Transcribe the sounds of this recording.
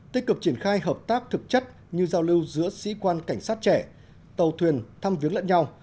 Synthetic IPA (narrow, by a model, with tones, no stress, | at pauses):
t̪i˦˥kɨ˨˩k̚t͡ɕi˧˩ənxaː˧jɦəː˨˩p̚t̪aː˦˥k̚t̪ʰɨ˨˩k̚t͡ɕə˦˥t̚ | ɲɨ˧zaː˧wli˧wzɨ̰˧˥əsḭ˧˥kwaː˧nka˧˩ŋ̟saː˦˥t̚t͡ɕɛ˧˩ | t̪ə˨˩wt̪ʰwi˨˩ənt̪ʰaː˧mvi˨˦əŋlə̰˧˥nɲa˧w